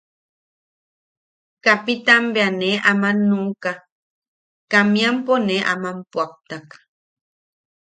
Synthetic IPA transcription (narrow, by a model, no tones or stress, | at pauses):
kapit̪ambeaneʔamanuka | kamjamponeʔa̰mampwap̚t̪ak